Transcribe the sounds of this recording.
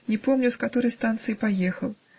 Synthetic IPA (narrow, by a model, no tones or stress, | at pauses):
nʲɛpɔmnʲuwskat̪ɔɾɐjst̪ant̪sɨjipajɛxɐw